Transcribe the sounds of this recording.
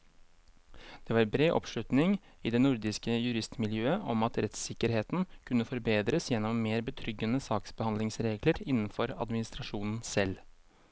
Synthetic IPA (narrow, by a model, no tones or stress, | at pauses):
d̪̥ɛʋɑːɾbɾeːʔɔ̰pʂɭʉt̪nɪŋ | iːd̪ɛnʊɾd̪ɪskəjʉɾɪst̪mɪljøːəʔɔmɑt̪ɾɛt̪sɪkːəɾheːt̪n̩kʰʉnːəfɔɾbeːd̪ɾəsjɛnːɔmːeːɾbət̪ʰɾʏɡːənəsɑːksbəhɑnlɪŋsɾeːɡləɾɪnn̩fɔɾɑ̰d̪mɪnɪst̪ɾɑʂuːnn̩sɛl